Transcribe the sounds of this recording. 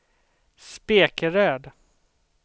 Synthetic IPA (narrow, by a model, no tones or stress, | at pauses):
speːkəɾøːd̪